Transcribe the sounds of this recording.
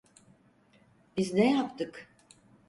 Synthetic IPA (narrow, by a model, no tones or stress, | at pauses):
b̥iznɛjapt̪ɯk